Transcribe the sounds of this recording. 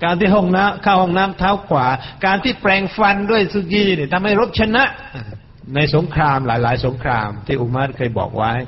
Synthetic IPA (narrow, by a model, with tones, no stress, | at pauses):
kaː˧nt̪ʰiː˥˩ɦɔ˥˩ŋnaː˦˥mkʰaː˥˩whɔ˥˩ŋnaː˦˥mt̪ʰaː˦˥wkʰwaː˩˨˩kaː˧nt̪ʰiː˥˩pɾɛː˧ŋfa˧ndu˥˩əjsu˧˩ɡiː˧˩niː˧˥˩t̪ʰa˧mha˥˩jɾo˦˥p̚t͡ɕʰa˧na˦˥ʔ | a˨˩ | na˧jso˩˦ŋkʰɾaː˧mlaː˩˦jlaː˩˦jso˩˦ŋkʰɾaː˧mt̪ʰiː˥˩ʔu˧ma˦˥t̪̚kʰɤː˧jbɔ̰ː˨˩k̚wa˦˥j